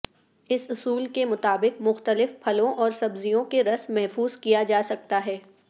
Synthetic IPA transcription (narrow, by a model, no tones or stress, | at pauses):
ɪsʊsuːlkemʊt̪aːbɪqmʊxt̪əlɪfpʰɐlõʔɔːɾsɐbzijõkeɾɐsmɛɦfuːzkijad͡ʒaːsɐk̚t̪aɦɛː